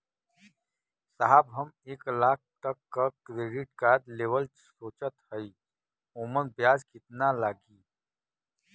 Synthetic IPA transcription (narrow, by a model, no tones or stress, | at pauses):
saɦabɦɐmeːklaːk̚ʰt̪ɐkːakɾeːɖɪʈkaːɾd̪leːʋəl | soːt͡ʃət̪həi | oːmənbjaːd͡ʒkɪt̪nalaːɡiː